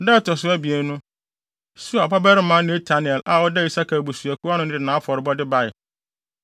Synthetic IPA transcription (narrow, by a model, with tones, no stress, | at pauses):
dɛ˦tʰɔ˨sʊ˦æ˦bi˨e˨˦nʊ̃˦ | su˦a˨pa˦bɛ˦ɾɪ˦mã˨˦nɪ̃˨˦e˦tʰa˨˦nɪ̃˨ɛ˨la˨wɔ˦dɛ˦i˨sa˦kʰa˨bu˨su˨æ˨kʰu˦a˦nʊ̃˦n˦dɪ˨nãː˨˦fɔ˨ɾɪ˨bɔ˦dɪ˦ba˦˨ɪ˨